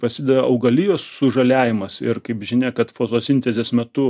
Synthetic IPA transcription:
pɐsʲɪd̪ʲɛdɐɐʊɡɐlʲijoːsːʊʒɐlʲæːʋʲɪmɐsɪrkɐɪpʒʲɪnʲeːkɐt̪foːt̪oːsʲɪnʲt̪ʲɛzʲeːsmʲɛt̪ʊ

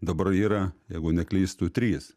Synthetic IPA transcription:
d̪ɐbɐriːɾɐjɛɪɡʊnʲɛklʲiːst̪uːt̪ʲɾʲiːs

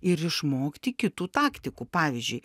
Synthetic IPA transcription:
ɪɾɪʃmoːkt̪ʲiːkʲɪt̪uːt̪ɑːkt̪ʲɪkupɑːʋʲɪzʲd͡ʒʲʉɪ

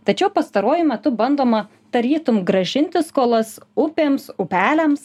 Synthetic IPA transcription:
t̪ɐt͡ʃʲɛʊpɐst̪ɐɾuɔjʊmʲɛt̪ʊbɐnd̪oːmɐ | d̪̥ɐɾʲiːt̪ʊmɡɾɐʒʲɪnʲt̪ʲɪskoːlˠɐsʊpʲeːmsʊpʲæːlʲɛms

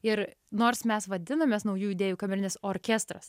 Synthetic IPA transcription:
ɪɾnoːɾsmʲɛsʋɐd̪ʲɪnɐmʲeːsnɐʊjuːid̪ʲeːjuːkɐmʲɛɾʲɪnʲɪsoːɾʲkʲɛst̪ɾɐs

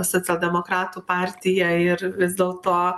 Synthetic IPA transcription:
soːt̪sʲɛlʲˠd̪ʲɛmoːkɾɑːt̪uːpɑːɾʲt̪ʲɪjɛɪɾʋʲɪzd̪ʲɛːlˠt̪oː

